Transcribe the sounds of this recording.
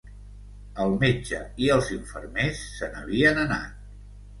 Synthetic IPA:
əlˠmed͡ʒəiəlˠziɱfə̰ɾmesːənə̰βiənəna̰t̪̚

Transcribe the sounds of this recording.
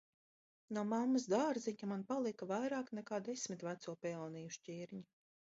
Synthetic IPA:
numamːasd̪aːɾziɲamanpalˠikavajɾaːknɛkaːd̪esʲmʲit̪væt̪suɔpɛlˠnijuʃt͡ʃʲiːɾɲi

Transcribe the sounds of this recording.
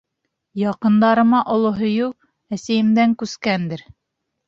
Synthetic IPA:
jɑqɤ̆nd̪ɑɾɤ̆mɑʔŏlˠoɦɵ̆jɤw | æsæjɘ̆md̪æŋkʉskænd̪ɘɾ

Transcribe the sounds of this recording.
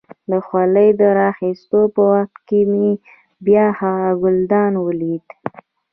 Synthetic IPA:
d̪əxwaləjd̪əɾɑxist̪opəwaxt̪̚kemi | bjɑhaaɡʊld̪ɑnwəlid̪

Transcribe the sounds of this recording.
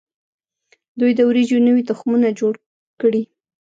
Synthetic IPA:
d̪ujd̪əwɾid͡ʒonəwit̪ʊxmunad͡ʒoɽ | kɽi

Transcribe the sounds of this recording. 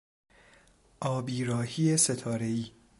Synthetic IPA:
ʔɒːbiːɾɒːhiːese̞t̪ʰɒːɾe̞iː

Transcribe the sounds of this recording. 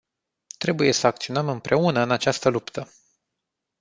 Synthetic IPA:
t̪ɾe̞buje̞səak̚t̪sio̞nəmɨmpɾe̞unəɨnat͡ʃast̪əlupt̪ʰə

